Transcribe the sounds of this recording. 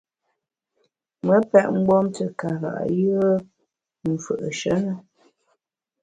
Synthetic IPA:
mə˦pɛ˦ʔŋ͡m̩˦ɡ͡bɔ˦mtə˨ka˨ɣa̰˨ʔjə˦ə˦ | m̩˨fə˨ʔə˨ʃə˦nə˨

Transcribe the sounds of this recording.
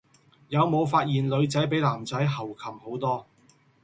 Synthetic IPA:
jɐ˨˧wmo˨˧wfaː˧t̚jiː˨˩nlɵ˨˧ɥt͡sɐ˨˥jp̬e˨˥jlaː˨˩mt͡sɐ˨˥jɦɐ˨˩wkʰɐ˨˩mho˨˥wt̪ɔː˥

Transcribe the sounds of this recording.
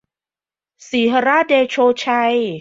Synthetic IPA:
siː˩˦ɦa˧ɾaː˥˩deː˧t͡ɕʰoː˧t͡ɕʰa˧j

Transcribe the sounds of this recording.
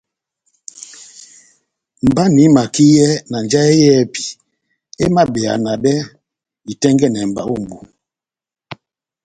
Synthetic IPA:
m̩˨ba˦ni˨˦ma˨ki˦jɛ˦na˨nd͡ʒa˦e˦jɛ˦pi̥˨ | e˦ma˦bɛ˨a̰˨na˨ɗɛ˦ | di˨tɛ˦ŋɡɛ˦˨nɛ˨m̩˨ba̰˨˦u˦˨m˨bu˨

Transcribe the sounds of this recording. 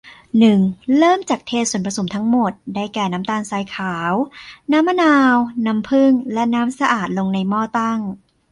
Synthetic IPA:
nɯ˨˩ŋlɤː˥˩mt͡ɕaː˨˩k̚t̪ʰeː˧su˨˩ənpɾa˧so˩˦mt̪ʰa˦˥ŋmo˨˩t̪̚daː˥˩jkɛː˨˩naː˦˥mt̪aː˧nsaː˧jkʰaː˩˦wnaː˦˥mːa˧naː˧wna˦˥mpʰɯ˥˩ŋlɛ˦˥naː˦˥msa˧ʔaː˨˩t̪̚lo˧ŋna˧jmɔː˥˩t̪a˥˩ŋ

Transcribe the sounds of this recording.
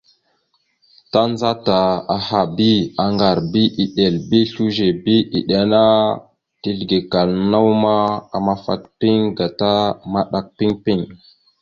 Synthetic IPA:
ta˦nza˦ta˨a˨ha˨bi˦a˨ŋɡa˨ɾbi˦ʔi˨ɗe˨lbi˦ɬu˦ʒe˨bi˦ʔi˨ɗe˨na˦ | ti˦lɡe˨ka˨lna˦wma˦a˨ma˦fa̰˦t̚pi˦ŋɡa˨ta˦ma˦ɗa˨k̚pi˦ŋpi˦˨ŋ

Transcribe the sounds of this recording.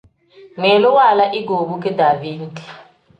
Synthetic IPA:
ŋɛ˨lɔ˦wa˦˨la˦ʔi˦ɡo˨ɓu˦k̬ʼɛ˦da˨vi˦n˦di̥˨

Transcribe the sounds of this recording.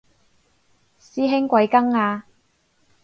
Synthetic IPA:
siː˥ɦɪ˥ŋkʷɐ˨˧jkɐ˥ŋaː˧

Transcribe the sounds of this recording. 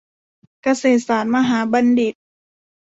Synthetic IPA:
ka˧seː˨˩t̪̚saː˩˦t̪̚maː˧ɦaː˩˦ba˧ndi˨˩t̪̚

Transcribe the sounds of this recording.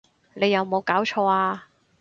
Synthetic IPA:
ne˨˧jːɐ˨˧wmo˨˧wkaː˨˥wt͡ʃʰɔː˧aː˧

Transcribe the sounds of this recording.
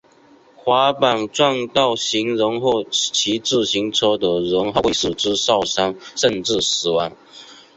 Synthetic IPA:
xwa˧˥˦pa˨˩nʈ͡ʂwɑ˥˧ŋt̪ɑ˥˩ʊɕi˧˥ŋɻə˧˥ŋxo˥˩ʊt͡ɕʰi˧˥ʈ͡ʂɻ̩˥˩ɕi˧˥ŋt͡sʰɤ˥d̪ə˨ɻə˧˥ŋxo˥˧˩s̩˨˩ʈ͡ʂɻ̩˦sɑ˥˩ʊsa˥ŋʂə˥˧nʈ͡ʂɻ̩˥˩s̩˨˩wɑ˧˥ŋ

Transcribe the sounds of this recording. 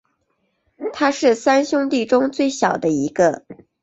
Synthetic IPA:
t̪ʰa˥ʂɻ̩˥˩sa˥nɕjʊ˥ŋt̪i˥˩ʈ͡ʂʊ˥ŋt͡swe˥˩ɪɕjɑ˨˩ʊd̪ə˦i˧˥ɡə˧

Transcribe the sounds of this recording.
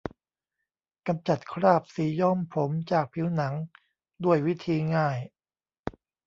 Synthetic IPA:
ka˧mt͡ɕa˨˩t̪̚kʰɾaː˥˩p̚siː˩˦jɔ˥˩mpʰo˩˦mt͡ɕaː˨˩k̚pʰi˩˦wna˩˦ŋ | du˥˩əjwi˦˥t̪ʰiː˧ŋaː˥˩j

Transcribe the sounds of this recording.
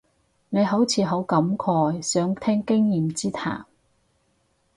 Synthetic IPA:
ne˨˧jɦo˨˥wt͡sʰiː˨˥ɦo˨˥wkɐ˨˥mkʰɔː˧jsœː˨˥ŋt̪ʰɛː˥ŋkɪ˥ŋjiː˨mt͡siː˥t̪ʰa̰ː˨˩m

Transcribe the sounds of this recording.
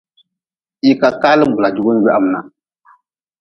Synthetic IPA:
i˦ka˨kaː˦lɨ˦bu˨la˨d͡ʒu˦ɡu˦n̩˦ɡɛ˦ʔa˦m˦na̰˨

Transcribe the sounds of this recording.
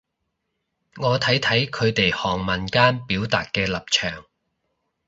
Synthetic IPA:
ŋɔː˨˧t̪ʰɐ˨˥jt̪ʰɐ˨˥jkʰɵ˨˧ɥt̪e˨jhɔː˨˩ŋmɐ˨nkaː˥npiː˨˥wt̪a̰ː˨t̚kɛː˧lɐ˨p̚t͡ʃʰœː˨˩ŋ

